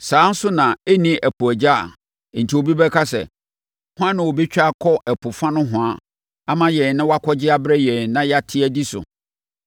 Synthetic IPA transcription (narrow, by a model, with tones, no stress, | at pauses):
sãː˨˦n̩˦sʊ˦nã˨e˦nĩ˦æ˨pʰʊ˨æ˨d͡ʑa˦˨˦ | n̩˨tʰi˨o˨bi˦bɛ˦kʰa˦sɛ̰˨ | hʊ̃˦ã˦nɪ̃˨wo˨be˦t͡ɕᶣa˦˨kʰɔ˦ʔɛ˨pʰʊ˨fã˦nʊ̃˦ɦʊ̃˨a˦˨ | a˦mã˨jɛ˨n˨nã˦wa˦kʰɔ˦d͡ʑɪ˦a˦bɾɛ˦jɛ̃˨nã˦ja˦tʰɪ˦æ˦di˦sʊ̰˨